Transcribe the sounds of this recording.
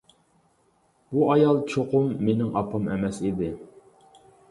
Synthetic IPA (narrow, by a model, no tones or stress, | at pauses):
buɑjɑlˠt͡ʃʰoqʊmːenɪŋɑ̰pʰɑmɛ̰mɛsid̪ɪ